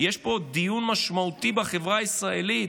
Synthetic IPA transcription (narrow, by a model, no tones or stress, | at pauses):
jeʃpo̞d̪ijunmaʃmaut̪ibaχevʁaisʁaelit̪